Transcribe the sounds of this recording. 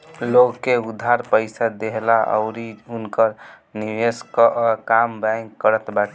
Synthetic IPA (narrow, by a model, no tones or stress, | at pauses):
loɡkeud̪ʱːaɾpəɪsad̪eɦlaʔə̰ʊɾiunkəɾ | niʋeskkambaŋkːəɾət̪baʈ